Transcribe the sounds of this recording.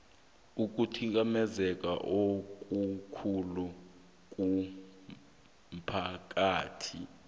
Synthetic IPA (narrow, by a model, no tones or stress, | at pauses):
uk̬ʼutʰik̬ʼamɛzɛk̬ʼa̰ʔok̬ʼukʰulu | k̬ʼu | m̩pʰak̬ʼaːtʰḭ